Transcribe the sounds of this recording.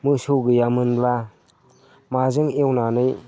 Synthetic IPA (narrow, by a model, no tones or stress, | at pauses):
mɯsɯwɡɯjamɯnba | mazɯŋewnanɯj